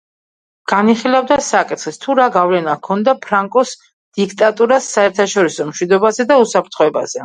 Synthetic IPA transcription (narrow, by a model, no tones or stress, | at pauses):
ɡ̥aniχilˠavd̪asakʼit̪ʰχɛst̪ʰuɾaɡavlɛnakʰɔnd̪apʰɾaŋkʼɔs | d̪̥ikʰt̪ʼat̪ʼuɾasːaɛɾt̪ʰaʃɔɾisɔmʃwid̪ɔbazɛd̪ausapʰɾt̪ʰχɔɛba̰z̥ɛ